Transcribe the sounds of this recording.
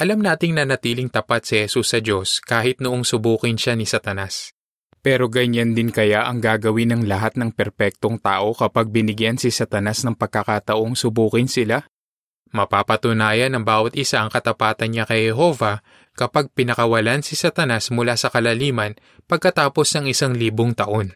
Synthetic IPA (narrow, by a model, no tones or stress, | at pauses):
ʔɐlamnaːt̪ɪŋnɐnɐt̪iːlɪŋt̪ɐpat̪̚sihɛsusːɐd͡ʒo̞skaːhɪt̪̚nʊʔoŋsʊbuːkɪnʃanisɐt̪ɐnas | pɛːɾo̞ɡɐɲand̪ɪnkɐjaʔɐŋɡaːɡɐwɪnɐŋlɐɦat̪̚nɐŋpɛɾpɛk̚t̪o̞ŋt̪aːʔo̞kɐpaɡ̚bɪnɪɡjansɪsɐt̪ɐnasnɐŋpɐɡ̚kːɐkat̪ɐʔo̞ŋsʊbuːkɪnsɪla | mɐpaːpɐt̪ʊnaːjɐnɐŋbaːwɐt̪̚ʔɪsaʔɐŋkɐt̪ɐpaːt̪ɐnɲakɐjhɛɦo̞vɐ | kɐpaɡ̚pɪnɐkɐwɐlansɪsɐt̪ɐnasmʊlasɐkɐlɐliːmɐn | pɐɡ̚kɐt̪aːpo̞snɐŋɪsaŋliːboŋt̪ɐʔo̞n